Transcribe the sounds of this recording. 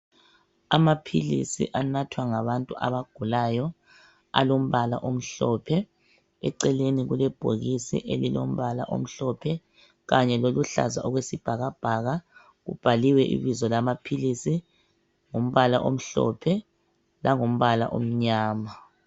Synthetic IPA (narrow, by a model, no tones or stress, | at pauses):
amapʰḭlḭsḭʔanatʰwaŋaβantʼuʔaβaɡ̥ʱulaːjɔ | a̰lom̩βala̰ʔom̩ɬɔpʰɛ | ɛ̰ǀɛleniɣulɛb̥ʱoɣisḭʔelilo̰m̩βala̰ʔo̰m̩ɬɔpʰɛ | ɣaɲɛloluɬa̰za̰ʔɔɣwesib̥ʱaɣab̥ʱaɣa | ɣṵb̥ʱaliwɛʔḭβizɔlamapʰilisi | ŋom̩βalaʔom̩ɬɔ̰pʰɛ | laŋom̩βala̰ʔo̰m̩ɲaːma